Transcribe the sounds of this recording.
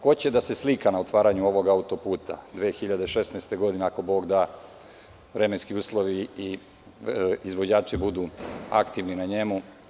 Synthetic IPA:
ko̞t͡ɕe̞d̪ase̞slikanao̞t̪ʋaːɾaɲuo̞ʋo̞ɡaut̪o̞puːt̪a̰d̪ʋexiʎad̪eʃe̞snaːst̪e̞ɡo̞d̪ineako̞bo̞ːɡd̪aː | ʋɾemenskiuːslˠo̞ʋiː | izʋo̞d͡ʑaːt͡ʃibud̪ua̰kt̪iʋninaɲe̞mu

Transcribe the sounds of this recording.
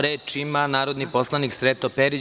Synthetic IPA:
ɾet͡ʃimanaːɾod̪nipo̞slˠaniksɾet̪opeɾi

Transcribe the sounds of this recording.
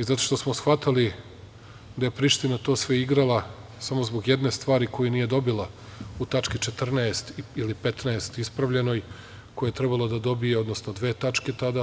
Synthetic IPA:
izat̪o̞̥ʃt̪o̞smosxʋat̪ali | d̪aje̞pɾiʃt̪inat̪o̞ːsʋe̞iɡɾalˠa | samo̞zbo̞ɡje̞d̪ne̞st̪ʋaːɾiko̞junije̞d̪o̞bila | ut̪at͡ʃkit͡ʃe̞t̪r̩naest̪iilipet̪naest̪ispɾaʋʎeno̞j | ko̞jajet̪ɾebalˠod̪ad̪o̞bijeo̞d̪no̞sno̞d̪ʋe̞ːt̪at͡ʃke̞t̪ad̪a

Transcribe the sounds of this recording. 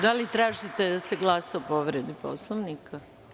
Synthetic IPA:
d̪alit̪ɾaːʒit̪ed̪aseɡlˠasaopoʋɾed̪ipo̰slˠoʋnika

